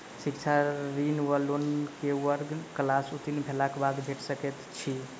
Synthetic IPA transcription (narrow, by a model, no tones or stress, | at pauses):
sikt͡ʃʰaɾinʋəlonkewəɾɡklasut̪inbʱelakebad̪bʱeʈsəkɛt̪t͡ʃʰi